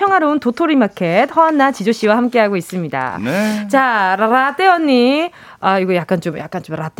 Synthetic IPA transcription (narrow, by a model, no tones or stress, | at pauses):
jʌŋɦaɾountotʰoɾimakʰe̞t̚hʌanːat͡ɕid͡ʑoɕ͈iwahamk͈e̞ɦaɡois͈ɯmɲida̰t͡ɕaɾaɾat͈eʌɲːi | aiɡʌjak͈̚ant͡ɕomja̰k͈ant͡ɕomɾat͈